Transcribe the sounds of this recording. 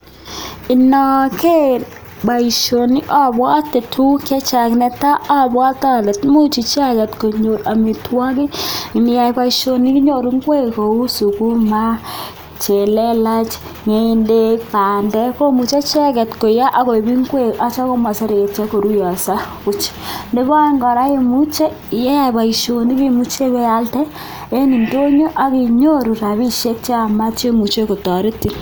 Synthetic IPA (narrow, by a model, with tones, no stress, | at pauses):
i˨nɔ˨ke˦ | ba˨i˨ʃo˨ni˦ʔa˦˨bwa˦te˨tʰu˦kɛ˦t͡ʃa˨knɛ˨ta˦ʔa˦bwa˦ta˦le˨tmu˦t͡ʃi˨t͡ʃa˦kɛ˨tko˨ɲo˨ɾa˨mi˨twa˦ki˦ŋi˨nɪ˦ja˨jpa˦iʃo˨ni˦ki˦ɲo˨ɾu˦ŋɡwe˦ko˨u˦su˨ku˦ma˦ | t͡ʃe˨lɛ˦la˦t͡ʃ | ŋe˦i˦nde˦k̚pa˨ndɛ˦ko˦mu˨t͡ʃe˦t͡ʃɛ˦kɛ˨tko˨ja˦ʔa˦ko˨bi˦ŋɡwe˦ka˦t͡ʃa˦ko˦ma˨se˦ɾe˨e˨t͡ʃe˦ko˨ɾu˦jɔ˨sa˦ku˦t͡ʃ | nde˦bɔ˦ŋɡɔ˨ɾa˦je˦mu˦t͡ʃe˦˨ | je˦ja˦˨pa˨i˨ʃo˨ni˦ki˦mu˦t͡ʃe˦be˦ja˦ltɛ˦ | e˦ni˨nto˦ɲo˦ʔa˦ki˨ɲo˦ɾu˨ɾa˨βi˦ʃe˦k̚t͡ʃe˦a˨ma˦t͡ʃe˦mu˨t͡ʃe˦ko˨tɔ˨ɾi˦tːi˨n